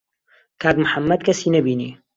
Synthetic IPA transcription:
kʰaːkmʊħamːɐd̪kʰɐsiːnɐbiːnḭː

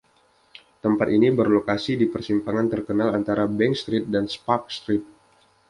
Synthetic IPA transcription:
t̪əmpat̪inibərlokasidipərsimpaŋant̪ərkənalant̪aɾabɛŋst̪ɾit̪̚danspak̚st̪ɾit̪̚

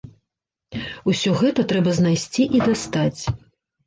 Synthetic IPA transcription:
usʲɔɣɛt̪ɐt̪ɾɛbɐznajsʲt͡sʲiʔid̪ast̪at͡sʲ

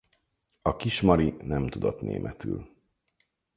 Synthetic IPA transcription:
ɒkiʃmɒɾinɛmt̪ud̪ot̪nḛːmʔɛt̪y̰ːl

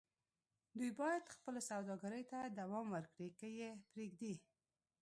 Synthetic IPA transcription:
d̪ujbɑjad̪xpəlasawd̪ɑɡaɾəjt̪ad̪awɑmwəɾkɽikəjepɾeɡd̪e

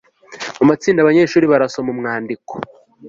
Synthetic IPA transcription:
mamat͡siːndaβaɲeʃuːɾiβaɾasomumŋaːndiko

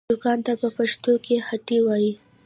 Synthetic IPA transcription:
ʊkɑnt̪apəpaʂt̪okehaʈiwɑji

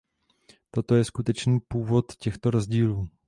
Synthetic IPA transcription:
t̪o̞t̪o̞jɛskut̪ɛt͡ʃniːpuːvo̞t̪cɛxt̪o̞ɾozɟiːluː

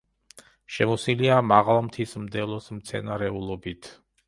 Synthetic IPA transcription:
ʃɛmɔsiliamaʁlˠmt̪ʰismd̪ɛlˠɔsmt̪sʰɛ̰naɾɛulˠɔbit̪ʰ

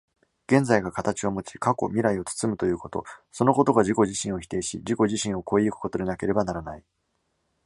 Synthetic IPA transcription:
ɡ̥ẽ̞nd͡zaiɡakat̪at͡ɕio̞mo̞t͡ɕi̥kako̞̰mʲiɾaio̞t͡sɨ̥t͡sɨmɯ̟t̪o̞jɯ̟ːko̞t̪o̞̰so̞no̞ko̞t̪o̞ɡaʑiko̞ʑiɕĩɰ̃o̞çi̥t̪e̞ːɕḭd͡ʑiko̞ʑiɕĩɰ̃o̞ko̞iikɯ̟̥ko̞t̪o̞d̪e̞nake̞ɾe̞banaɾanai

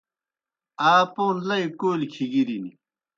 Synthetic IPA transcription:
aːpoːnlɐikoːlkʰiɡiɾini

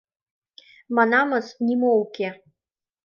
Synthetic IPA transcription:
mɑnɑmɤsnʲimowkʲe

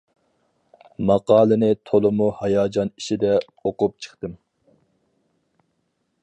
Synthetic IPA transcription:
mɑqɑːlˠɨnɪt̪ʰolˠɨmuhɑjɑːd͡ʒɑniʃid̪ɛ | oqʊp̚t͡ʃʰə̥χt̪ɨm

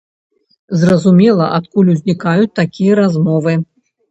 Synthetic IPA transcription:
zrɐzumʲɛlˠɐʔat̪kulʲuzʲnʲikajut͡sʲt̪akʲijɐɾazmɔvɨ

